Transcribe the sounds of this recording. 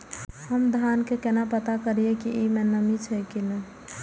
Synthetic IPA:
həmd̪ʱankekenapət̪akəɾijekiimenəmit͡ʃʰɛjkinə

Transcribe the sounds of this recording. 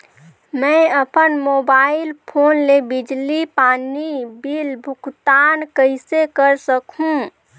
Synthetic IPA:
mɛ̃əpənmoːbaːɪlpʰoːnlebɪd͡ʒlipaːnibilbʱʊkt̪aːnkəɪsekəɾsəkɦũ

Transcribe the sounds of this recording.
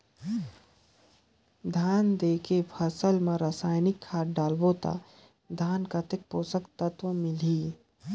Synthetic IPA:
d̪ʱaːnd̪eːkepʰəsəlmẽɾasaːjnɪkʰːaːʈɖaːlboːt̪a̰ | d̪ʱaːnkat̪ek̚poːsəkt̪ət̪ʋə̃mɪliː

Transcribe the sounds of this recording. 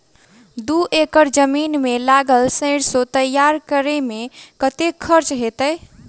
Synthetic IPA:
d̪uʔekəɾd͡ʒəminmelaɡəlsə̃ɪɽsot̪əjaɾkəɾemekət̪ekʰəɾt͡ʃɦet̪əj

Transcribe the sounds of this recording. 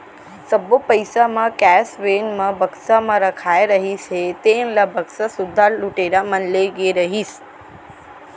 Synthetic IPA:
səbopəjsamãkɛsʋenmãbəɡsamãɾəkʰaeɾəɦit͡ʃʰet̪ẽnlabʱəksasʊd̪ʱːaluʈeɾamənleɡeɾəɦis

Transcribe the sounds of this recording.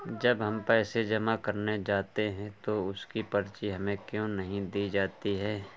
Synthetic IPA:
d͡ʒɐbɦɐmpɛːsed͡ʒɐmakɐɾned͡ʒaːt̪eɦɛ̃t̪oʊskipɐɾt͡ʃiɦɐmẽkjõːnɐɦĩd̪iːd͡ʒaːt̪iɦɛː

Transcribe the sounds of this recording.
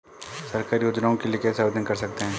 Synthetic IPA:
sɐɾkaːɾjoːd͡ʒnaõkelijekɛːsɐʋd̪ənkɐɾsɐk̚t̪eɦɛ̃ː

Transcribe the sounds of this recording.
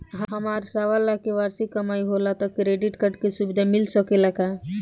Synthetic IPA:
ɦɦəmaːɾsaʋalːakeʋaːɾsikːəmaːiɦolat̪əkːɾeɖiʈkəʈkesubid̪ʱamilsəkelaka

